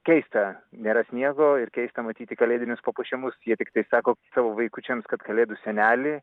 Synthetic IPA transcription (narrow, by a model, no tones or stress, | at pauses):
kʲɛɪst̪ɐnʲeːɾɐsʲnʲiɛɡoːɪɾkʲɛɪst̪ɐmɐt̪ʲiːt̪ʲɪkɐlʲeːd̪ʲɪnʲʊspɐpuːʃʲɛmʊsjiɛt̪ʲɪkt̪ɐɪsɑːkoːsɑːʋoːʋɐɪkut͡ʃʲɛmskɐt̪kɐlʲeːd̪usʲɛnʲæːlʲɪ